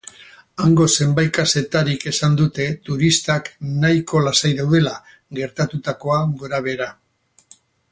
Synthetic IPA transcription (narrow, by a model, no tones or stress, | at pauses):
aŋɡo̞se̞mbajkase̞t̪aɾike̞sand̪ut̪e̞t̪uɾist̪aknajko̞lasajðawðe̞la | ɡe̞ɾt̪at̪ut̪ako̞aɡo̞ɾaβ̞e̞ɾa